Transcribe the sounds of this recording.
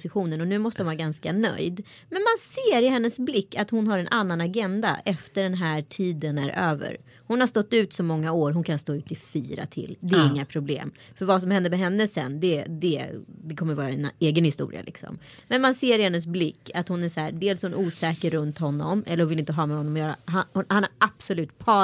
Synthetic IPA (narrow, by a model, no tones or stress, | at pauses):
sɪɧuːnənɔnʉ̟ːmɔst̪əhʊnvɑɾaɡanskanœ̰jd̪ | mɛnmanseːɾɪɦɛnːəsblɪkːat̪hʊnɦaɾɛnʔanːanaɡɛnd̪a̰ʔɛft̪əɖɛnɦæːʈʰiːd̪ənæɾʔøːvə̰ɾ | hʊnhaʂt̪ɔt̪ːʉ̟ːt̪sɔmːɔŋːaoːɾɦʊnkʰanst̪oːʉ̟ːt̪ɪfiːɾa̰t̪ʰɪ̰ld̪ɛæɾɪŋːapʰɾʊblḛːm | fœɾvas̬ɔmhɛnd̪əmɛɦɛnːəsɛ̰nd̪ɛd̪ɛd̪ɛkʰɔmːəɾvɑːɾaɛneːɡənhɪst̪ṵːɾɪ̰a̰lɪ̰ksɔ̰m | mɛnmanseːɾɪhɛnːəs̬blɪkːat̪hʊnæʂɔæːɾɖeːlshʊnʔuːsɛːkəɾɵnt̪ɦɔnːɔ̰mɛ̰ləɾhʊnvɪlɪnt̪əɦɑːmɛɦɔnːɔmɔjœːɾa̰ɦahanaɾʔab̥sɔlʉ̟ːt̪̚pʰɑː